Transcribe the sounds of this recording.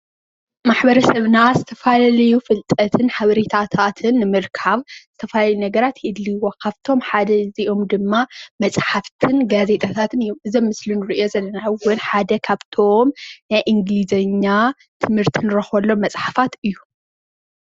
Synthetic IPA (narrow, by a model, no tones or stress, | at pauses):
maħbɐɾɐsɐβnazɨt̪ʰɐfalalɐjufɨlt̪ʼɐt̪ʰɨnħaβɐɾit̪ʰat̪ʰat̪ʰɨnːɨmɨɾkʰaβz̥ɨt̪ʰɐfalajunɐɡɐɾat̪jɨd̪liwokʰaβt̪ʰo̞mħad̪ɐziʔo̞md̪ɨmːamɐt͡sʼħaft̪ʰɨnɡaze̞t̪ʰʼat̪ʰat̪ʰɨnɨjːomʔɨzɐmːɨslinɨɾɨʔijo̞zɐlːɐnawʊnħad̪ɐkʰaβt̪ʰo̞mnajʔɨŋɡlizɐɲːa | t̪ʰɨmhɨɾt̪ʰinɨɾɐxɐlːo̞mmːɐt͡sʼħafat̪ɨjːu